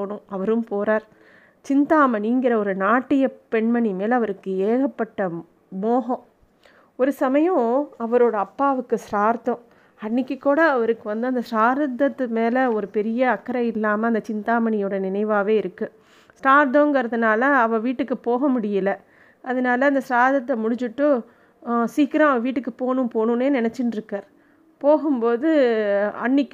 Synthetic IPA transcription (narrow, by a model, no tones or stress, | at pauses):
oːɳɯ̃ɐʋɐɾɯmpoːɾaːɾ | t͡ʃɪnt̪aːmɐniŋɡɪɾɐɔɾɯnaːʈːɪjɐpɛɳmɐɳimeːlɐʋɐɾɯkːɯeːɣɐpːɐʈːɐ | moːɣɐ̃ | ɔɾɯsɐmɐjõɐʋɐɾoːɽɐɐpːaːʋɯkːɯsɾaːɾt̪õ | ɐnːɪkʲːɯkːuːɽɐɐʋɐɾɯkːɯʋɐnd̪ɯɐnd̪ɐsɾaːɾd̪ɐt̪ːɯmeːlɐɔɾɯpɛɾɪjɐɐkːɐɾɐɪlːaːmɐɐnd̪ɐt͡ʃɪnt̪aːmɐɳɪjoːɽɐnɪnɐɪʋaːʋeːɪɾɯkːɯ | sʈaːɾt̪̬õŋɡɐɾɐðɯnaːlɐːʋɐ̃ʋiːʈːɯkːɯpoːɣɐmʊɽɪjɪlɐ | ʔɐðɐnaːlɐːnd̪ɐsɾaːɾðɐt̪ːɐmʊɽɪɲd͡ʒɯʈːɯ | siːkːɪɾãːɐʋɐ̃ʋiːʈːɯkːɯpoːnũpoːnɯ̃neːnɪnɛt͡ʃːɪnɾɯkːaːɾ | poːɣɯmpoːðɯɐ̰ɳːɪkː